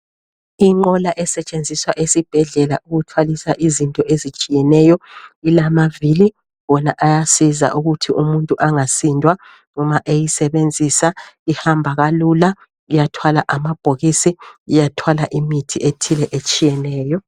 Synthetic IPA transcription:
iŋ͡ǃɔlaʔɛsɛt͡ʃʼend͡zʱiswaʔesib̥ʱɛɮɛlaʔuɣutʰwalisaʔizintʼɔʔezit͡ʃʼijɛnɛjɔilamavili | βɔnaʔajasiza̰ʔuɣutʰiʔumuntʼuʔaŋasindʱwa | ŋɔmaʔejisɛβend͡zʱisaihambʱaɣalula | ijatʰwalaʔamab̥ʱoɣisiːjatʰwalaʔimitʰiʔetʰilɛʔet͡ʃʼijɛnɛːjɔ

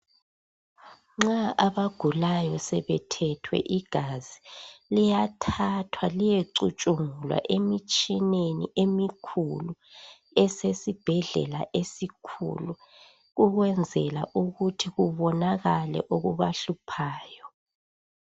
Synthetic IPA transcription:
ŋ͡ǁaaβaɡ̥ʱulajɔsɛβɛtʰɛtʰwɛ̰ʔiɡ̥ʱaz̥ilijatʰatʰwalijeǀut͡ʃʼuŋulwa̰ʔemit͡ʃʼinenḭʔemikʰulu | ɛsesib̥ʱɛɮɛ̰la̰ʔesikʰṵlu | ɣuɣwɛnd͡zʱɛla̰ʔuɣutʰiɣuβɔnaɣalɛ̰ʔoɣuβaɬupʰaːjɔ

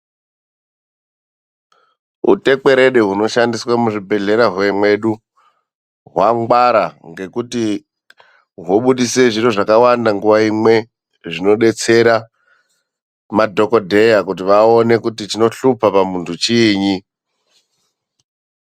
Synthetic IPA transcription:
ṵte̞k͡pe̞ɾeɗeɦuno̞ʃandiswamuʐibʱe̞ɮe̞ɾaɦweemwe̞ɗu | ɦwaŋɡwaɾaŋɡe̞kuti | ɦwoɓuɗise̞ʐiro̞ʐakawandaŋɡuʋaimwe̞ | ʐino̞ɗe̞t͡se̞ɾa | madʱo̞ko̞dʱe̞jakut̬iʋao̞ne̞kutit͡ʃino̞ɬupapamuntʰut͡ʃiːɲi

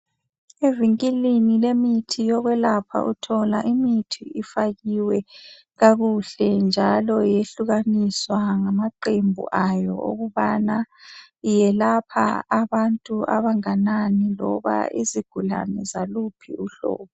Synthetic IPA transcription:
eviŋkʼilinilemitʰijɔɣwɛlapʰa̰ʔutʰɔlaʔimitʰiifaɣiwɛ | ɣaɣuɬɛnd͡ʒʱalɔjeɬuɣaniswaŋamaǃembʱṵʔajɔ̰ʔo̰ɣuβana | ijɛlapʰa̰aβantʼuʔa̰βaŋananilɔ̰βa̰iziɡ̥ʱula̰nɛzalupʰḭuɬɔ̰ːβu

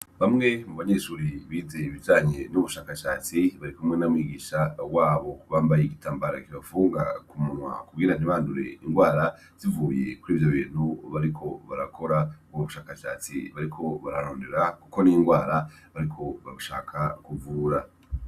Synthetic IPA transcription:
βamŋe̞muβaɲeːʃuɾiβiːze̞iβivaːɲenuβuʃaːkaʃaːt͡siβaɾikumŋe̞namwiːɡiːʃawaːβo̞βaːmbajeɡitʰaːmbaɾa̰kiβafuːŋɡakumunwa̰kuɡiːnan̥iβaːnduɾe̞̰iŋɡwaːɾa | z̥ivuːje̞̰kuɾiːvjoβḭːn̥huβaɾikʰo̞βa̰ɾa̰kʰo̞ɾaɡoβuʃaːkaʃa̰ːt͡sḭβaɾikʰo̞βaɾaɾoːndeɾakuko̞nijŋɡwaːɾa | βaɾikʰo̞βaβuʃa̰ːkʰakuvuɾa

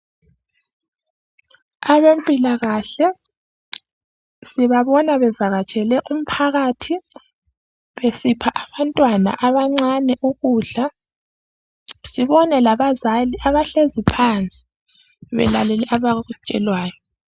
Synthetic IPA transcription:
aβempʼilaɣaɬɛ | siβaβɔnaβɛvaɣat͡ʃʼɛlɛʔum̩pʰaɣaːtʰi | βesipʰaʔaβantʼwana̰ʔaβaŋ͡ǀanɛʔuɣuːɮa | siβɔnɛlaβazaliaβaɬezipʰant͡sʼi̥ | βɛ̰lalɛlɛʔaβaut͡ʃʼɛ̰lwaːjɔ

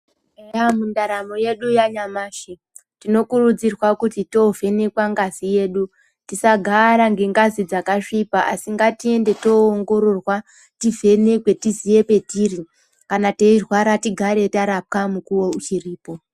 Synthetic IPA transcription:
eamundaɾamoje̞ɗujaɲamaːʃe | tino̞kurud͡zirwakutito̞ve̞ne̞kwaŋɡazije̞ɗu | tisaɡʱaɾaŋɡe̞ŋɡazid͡zakaʂipaʔasiŋɡatie̞nde̞to̞ːŋɡo̞ɾo̞rwa | tivʱe̞ne̞kwe̞tizije̞pe̞tiri | kanateirwaɾatiɡʱaɾe̞taɾap̚kamukuwout͡ʃiriːpo̞

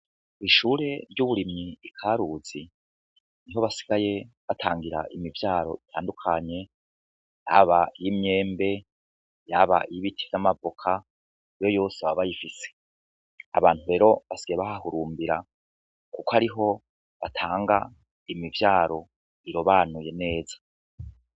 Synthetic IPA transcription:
iʃuːɾe̞ɾɟuβuɾimɲiikʰaːɾuz̥i | niɦo̞βasi̥ɡ̥aje̞βatʰaːŋɡiɾa̰ʔimivjaːɾo̞̰itʰaːndukʰaɲe̞ | ja̰βaijimɲe̞ːmbe̞ | jaβa̰ijiβitʰi̥vamavokʰa | ijo̞jo̞ːseβaβajifise̥ | a̰βaːnhuɾe̞ːɾo̞βasi̥ɡ̥ajeβahahuɾuːmbiɾa | kukoaɾiɦo̞ | βatʰaːŋɡa̰ | imivjaːɾo̞ | iɾo̞βaːnuje̞ne̞ːzḁ

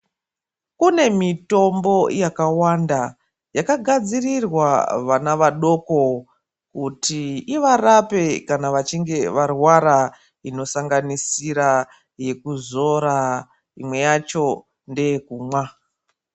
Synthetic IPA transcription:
kune̞mito̞mbo̞jakawanda | jakaɡʱad͡zirirwa̰ʋanaʋaɗo̞ko̞ | kutʰiiʋarape̞kanaʋat͡ʃiŋɡe̞ʋarwaɾa | ino̞saŋɡanisiɾa | je̞kuzo̞ɾa | imwe̞jat͡ʃo̞ | nde̞kuːmwa

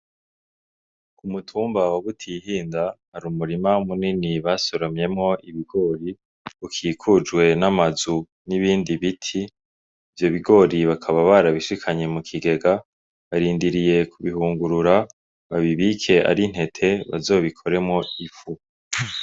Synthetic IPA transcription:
kumutʰuːmbawaβutʰihiːndahaɾumuɾimamuniniβaso̞ɾomɲe̞mŋo̞ʔiβiɡo̞ɾi | ukʰiːkʰud͡ʒɡwe̞namazu | niβiːndiβitʰiː | vjo̞βiɡo̞ɾiβakʰaβaβaɾaβiʃikʰaɲe̞mukʰiɡe̞ɡa | βaɾiːndiɾije̞kʰuβihuːŋɡuɾuɾa | βaβiβikʰe̞ʔa̰ɾin̥he̞tʰe̞βa̰zo̞ːβikʰo̞ɾe̞mŋo̞ifu

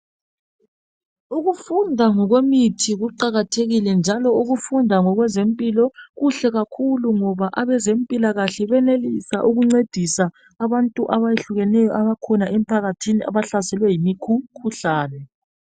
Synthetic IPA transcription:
uɣufundʱaŋɔɣwemitʰiɣuǃaɣatʰeɣilɛnd͡ʒʱalɔuɣufundʱaŋɔɣwɛzempʼilɔɣuɬɛɣakʰuluŋɔβaʔaβɛzempʼilaɣaɬɛβɛnelisaʔuɣuŋ͡ǀed̥ʱisaː | βantʼuʔaβajeɬuɣɛnɛjɔʔaβakʰɔnaʔɛm̩pʰaɣatʰinia̰βaɬasɛlwɛjimikʰukʰuɬaːnɛ

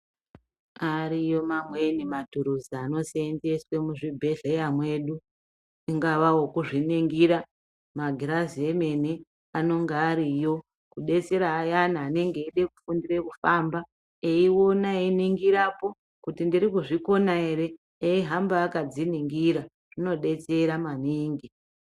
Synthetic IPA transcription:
aɾijo̞mamwenimatuɾuziano̞sende̞swemuʐibʱe̞ɮejamwe̞ɗu | iŋɡaʋawo̞kuʐiniŋɡiɾa | maɡʱiɾazieme̞ne | ano̞ŋɡeːɾijo̞ | kuɗe̞t͡seɾaːjan̤aːne̞ŋɡe̞iɗe̞ku̥fundire̞kufamba | eiwo̞nainiŋɡiɾapo̞ | kutindirikuʐiko̞naeɾe̞ː | iɦambaːkad͡ziniŋɡiɾa | ʐ̥ino̞ɗe̞t͡se̞ɾamaniːŋɡi

